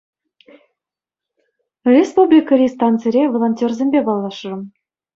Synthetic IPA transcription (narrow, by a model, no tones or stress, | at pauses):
rʲespublʲikərʲist̪ɑnt̪t͡seɾʲevolˠonʲtʲerzʲemʲbʲebɑlˠːɑʃrɤ̆m